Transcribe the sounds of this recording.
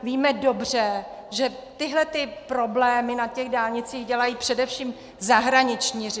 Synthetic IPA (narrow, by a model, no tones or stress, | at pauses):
viːmɛdo̞br̝ɛ | ʒɛt̪ɪɦlɛt̪ɪpɾo̞blɛːmɪnacɛɣdaːlɲɪt͡siːɣɟɛlajiːpr̝̥ɛdɛfʃiːm | zaɦɾaɲɪt͡ʃɲiːr